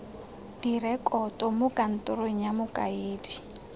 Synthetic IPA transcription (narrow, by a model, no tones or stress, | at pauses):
d̥irɛkʼɔtʼɔmʊkʼan̩tʼʊɾoɲ̩jamʊkʼa̰eːdi